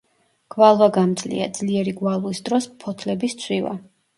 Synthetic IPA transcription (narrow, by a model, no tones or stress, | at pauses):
ɡ̥valˠvaɡamd̪zlḭa̰d̪z̥liɛɾiɡwalˠuisd̪ɾɔspʰɔt̪ʰlɛbist̪sʰwiva̰